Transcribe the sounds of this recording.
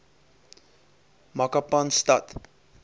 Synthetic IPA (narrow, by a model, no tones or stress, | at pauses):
mɐkapɐnstɐt